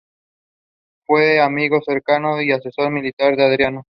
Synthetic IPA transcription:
fweamiɣo̞seɾkanoiasesoɾmilit̪aɾðeaðɾjano

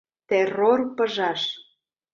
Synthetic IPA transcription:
t̪erorpəʒɑʃ

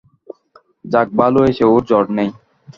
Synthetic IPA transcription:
d͡ʑak̚baloeʃeoɾd͡ʑɔɖnej

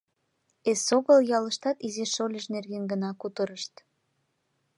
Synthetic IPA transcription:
esoɣəljɑləʃt̪ɑt̪izeʃolʲeʃnerɣenɡənɑkut̪əɾəʃt̪

